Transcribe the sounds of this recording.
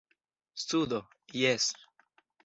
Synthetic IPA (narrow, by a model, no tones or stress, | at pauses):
st̪ud̪o | jes